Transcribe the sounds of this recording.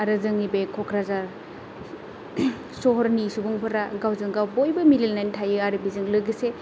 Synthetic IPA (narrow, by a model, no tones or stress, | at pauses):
aɾɯzɯŋibekʰɔkʰɾazaɾ | soɦɔɾnisubuŋpʰɐɾaɡawzɯŋɡawbojbɐmililnantʰajɯaɾɯbizɯŋlɯɡise